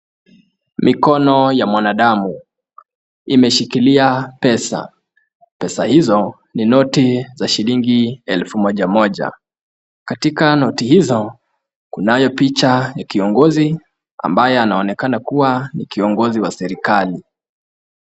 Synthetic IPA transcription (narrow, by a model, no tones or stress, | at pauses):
mikɔnɔjamwanaɗamu | imɛʃikiliapɛsa̰ | pɛsahizɔ | ninɔtizaʃiɾiŋɡiɛlfumɔʄamɔʄa̰ | katikanɔtihizɔ | kunajɔpit͡ʃajakiɔŋɡɔzi | a̰mbajɛanaɔnɛkanakuwanikiɔŋɡɔziwasɛɾikali